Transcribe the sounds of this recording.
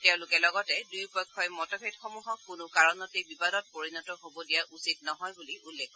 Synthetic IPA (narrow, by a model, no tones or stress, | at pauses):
tɛʊ̃lʊkɛlɔɡɔtɛdujpɔjkʰːɔjmɔtɔbʱedxomuɦɔkːʊnʊkaɹɔnɔtejbibadɔt̚poɹinɔtɔɦobɔdijaʔusitnɔɦɔjbuliʔulːekʰɔ